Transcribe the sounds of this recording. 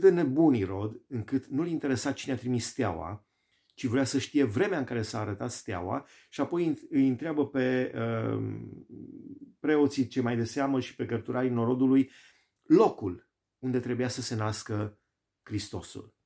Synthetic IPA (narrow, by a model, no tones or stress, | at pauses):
d̪ene̞buniɾo̞d̪ɨŋkɨt̪nulint̪eɾe̞sat̪̚t͡ʃineat̪ɾimisːt̪eawa̰ | t͡ʃivɾeasəʃt̪ije̞vɾe̞meaɨŋkaɾe̞saːɾət̪at̪st̪ea̰wa̰ | ʃiapo̞jɨjɨnt̪ɾeabəpe̞ə | pɾe̞o̞t̪sit͡ʃelmajd̪e̞seaməʃi̥pe̞kərt̪uɾaɾino̞ɾo̞d̪uluj | lo̞kul | und̪e̞t̪ɾe̞bujasəse̞naskə | kɾist̪o̞sṵl